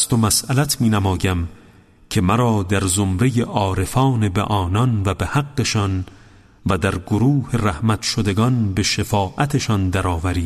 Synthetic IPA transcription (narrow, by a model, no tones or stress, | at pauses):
st̪omæsʔælæt̪ʰmiːnæmɒːjæm | kʰe̞mæɾɒːd̪æɾzomɾe̞jeʔɒːɾe̞fɒːne̞bḛʔɒːnɒnvæbehæɡːe̞ʃɒːn | væd̪æɾɡoɾuːhe̞ræhmæt̪ʃod̪e̞ɡɒnbe̞ʃefɒːʔæt̪ʰeʃɒnd̪æɾɒːvæɾiː